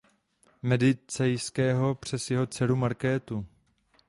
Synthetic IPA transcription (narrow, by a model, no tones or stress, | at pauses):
mɛdɪt͡sɛjskɛːɦo̞pr̝̥ɛsjɛɦo̞t͡sɛlumaɾkɛːt̪u